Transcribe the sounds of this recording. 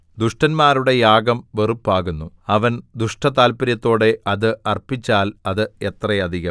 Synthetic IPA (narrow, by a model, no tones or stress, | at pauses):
d̪uʂʈɐnmaːɾuɽe̞jaːɡɐmʋe̞rupːaːɣunːu | ɐʋɐnd̪uʂʈɐt̪aːlpɐɾjɐt̪ːo̞ːɽe̞ʔɐðɨɐrpit͡ɕːaːlɐðɨe̞t̪rɐjɐd̪ʱiɣɐ